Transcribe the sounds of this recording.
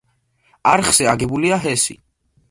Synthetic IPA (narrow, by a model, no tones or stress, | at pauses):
aɾχz̥ɛaɡɛbuliaɦɛsḭ